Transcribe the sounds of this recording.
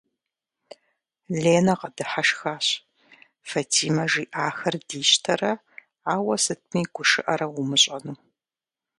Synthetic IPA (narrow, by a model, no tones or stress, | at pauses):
leːnɐqɐdɨħaʃxaːɕ | fɐtʰiːmɐʒiːʔaːxɐrdiːɕtʰɐrɐ | aːwɐsɨt̚ʰmiːɡʷʊʃɨʔɐɾɐʁʊmɨɕʼɐnuː